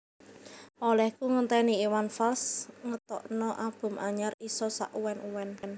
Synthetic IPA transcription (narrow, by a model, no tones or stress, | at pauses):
olɛhkuŋənt̪ɛniiwanfalsŋət̪ɔʔnɔʔab̥ʊ̤mʔaɲarisɔsa̰ʔuwɛnʔuwɛnn